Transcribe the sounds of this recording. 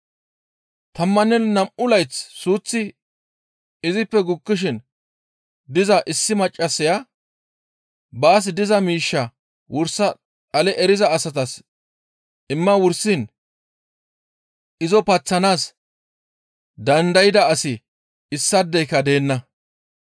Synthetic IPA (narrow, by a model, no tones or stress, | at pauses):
t̪ɐmːɐnːɛnnɐmʔʊlɐjt͡ssuːt͡sːɪ | ɪzɪpːɛɡʊkːɪʃ̬ɪn | d̪ɪzɐʔɪsːɪmɐt͡ʃʼːɐsɪjɐ | baːs̬d̪ɪzɐmiːʃːɐ | wʔʊɾsːɐ | ɐlɛʔɛɾɪzɐːsɐt̪ɐs | ɪmːɐwʊɾsɪn | ɪzɔpɐt͡sːɐnaːs | d̪ɐnd̪ɐjɪd̪ɐːsɪ | ɪsːɐd̪ːɛjkːɐd̪e̞ːnːɐ